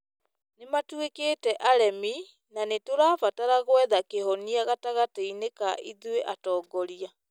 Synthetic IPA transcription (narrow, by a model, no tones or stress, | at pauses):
nematwekeːtɛʔaɾɛmi | nanetoɾaːfataɾaɣwɛðakeɦɔniaɣataɣateinekaʔiðweʔatɔːɡɔɾia